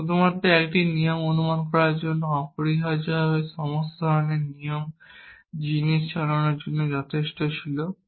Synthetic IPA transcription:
ʃud̪ʱumat̪ːɾeɛkʈinijomonumankɔɾaɾd͡ʑonːoɔpoɾiɦad͡ʑbabeʃɔmost̪od̪ʱɔɾoneɾnijom | d͡ʑiniʃʃaɾanoɾd͡ʑonːod͡ʑɔt̪ʰeʃʈot͡ɕʰilo

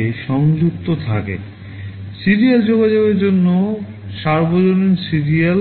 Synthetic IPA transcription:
eʃɔŋd͡ʑuk̚t̪ot̪ʰakḛ | siɾijald͡ʑoɡad͡ʑobeɾd͡ʑonːo | ʃaɾbod͡ʑoninsiɾial

